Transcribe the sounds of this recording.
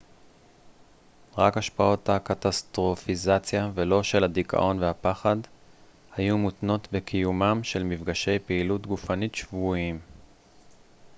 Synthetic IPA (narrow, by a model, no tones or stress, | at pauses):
ʁakhaʃpao̞thakat̪astʁo̞fizat͡sjavelo̞ʃe̞lhadikʰa̰ʔo̞nvehapaχad | hajumutno̞tbe̞kʰijumamʃe̞lmivɡaʃe̞jpeilutɡufanitʃvuim